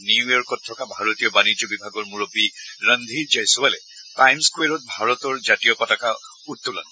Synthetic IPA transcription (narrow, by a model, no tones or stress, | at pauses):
niuɔɹkɔtʰːɔkabʱaɹɔtijɔbanid͡ʒɔbibʱaɡɔɹmuɹɔpiɹənd̪ʱid͡ʒajsɔwalɛ | tajmskwɛɹɔt̚bʱaɹɔtɔɹzatijɔkɔtaka | utːɔla̰nɔ